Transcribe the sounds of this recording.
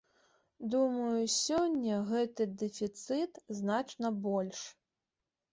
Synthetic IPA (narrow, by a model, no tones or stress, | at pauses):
d̪umɐjusʲɔnʲːɐɣɛt̪ɨd̪ɛfʲit̪sɨt̪znat͡ʂnɐbɔlʲʂ